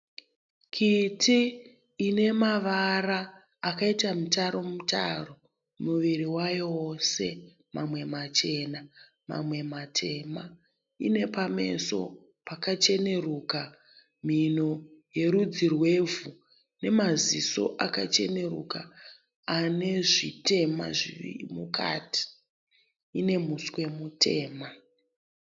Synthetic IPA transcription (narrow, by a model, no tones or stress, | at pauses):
kʰitiː | ne̞maʋaraː | kaitamutaɾo̞muta̰ro̞ | muʋiɾiwajose̞ | mamwe̞mat͡ʃe̞ːna | ma̰mwe̞matʰe̞ma | ḭne̞pame̞̰so̞̰ | pakat͡ʃe̞ne̞ruːka | m̤inoje̞ɾud͡zirwe̞vu | ne̞maziso̞̰ʔakat͡ʃe̞̰ne̞rukaː | ne̞ʐite̞ma̰ʐiḭmukʰa̰ti̥ | ine̞muswe̞mutʰe̞ːma